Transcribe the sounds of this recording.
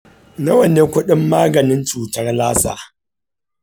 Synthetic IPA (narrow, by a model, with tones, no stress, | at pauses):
nɐ˦wɐ˨neː˦kʷʊ˦ɗɪ˦mːaː˦ɡɐ˨nɪ˦nt͡ʃuː˨tɐ˦rlaː˦sa̰ː˨